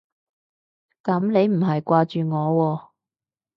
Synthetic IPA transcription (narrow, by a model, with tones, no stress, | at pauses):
kɐ˨˥mne˨˧jm̩˨˩ɦɐ˨jkʷaː˧t͡ʃyː˨ŋɔː˨˧wɔː˧